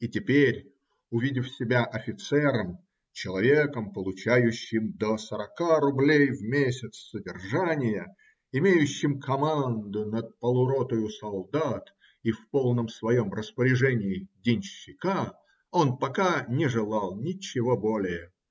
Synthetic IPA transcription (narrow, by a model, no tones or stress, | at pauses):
itʲɪpʲeɾʲ | ʊvʲidʲɪfsʲɪbʲaʔɐfʲɪt̪sɛɾəm | t͡ɕɪlˠɐvʲekəmpəlˠʊt͡ɕæjʉɕːɪmd̪əsəɾɐkaɾʊblʲejvmʲesʲɪt̪ssədʲɪrʐanʲɪjə | ɪmʲejʉɕːɪmkʰɐmand̪ʊnət̪̚pəlˠʊɾot̪ʊjʊsɐlˠd̪at̪ | ifpo̞lˠnəmsvɐjo̞mrəspəɾʲɪʐɛnʲɪɪdʲɪnʲɕːɪka | o̞npɐkanʲɪʐɨlˠɑlˠnʲɪt͡ɕːɪvo̞bolʲɪjə